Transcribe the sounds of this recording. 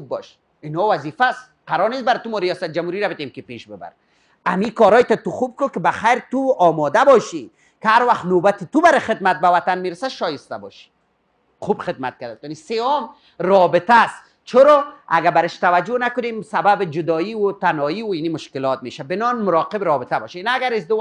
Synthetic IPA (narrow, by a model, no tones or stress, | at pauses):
ub̚bɔ̰ʃ | ɪnɔwazifas | qaɾɔɾnesbaɾt̪umɔɾijɔsat̪̚d͡ʒamhuɾiɾabɪt̪emkɪpeʃbɪba̰ɾ | amikɔɾɔjt̪at̪uxub̚kʊkɪbaxajɾt̪uɔmɔd̪abɔʃi | kɪhaɾwaxt̪nobat̪ɪt̪ubaɾɪxɪd̪mat̪̚bawat̪anmeɾasaʃɔjɪst̪abɔ̰ʃi̥ | xubxɪd̪ma̰t̪̚kad̪at̪ɔniseɔm | ɾɔbɪt̪as | t͡ʃʰʊɾɔa̰ɡabaɾɪʃt̪awad͡ʒonakʊnemsababɪd͡ʒʊd̪ɔiwʊt̪anɔiwʊinimʊʃkɪlɔt̪̚meʃabɪnɔnmʊɾɔqɪbɾɔbɪt̪abɔ̰ʃinaːɡaɾɪzd̪ɪw